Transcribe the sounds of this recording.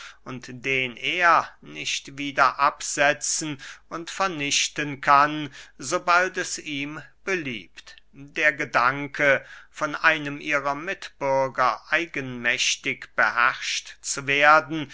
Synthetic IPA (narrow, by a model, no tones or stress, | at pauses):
ʔʊntd̥eːnʔeːɐnɪçtv̥iːdɐʔapz̥ɛt͡sn̩ʔʊntfɛɐnɪʃtənkʰanzobaltɛsiːmb̥əlḭːptd̥eːɐɡədaŋkʰəfɔnʔaɪnəmʔiːʁɐmɪtb̥ʏɐɡɐʔaɪɡənmɛɕtɪkb̥əhɛʁʃtt͡suveːɐdn̩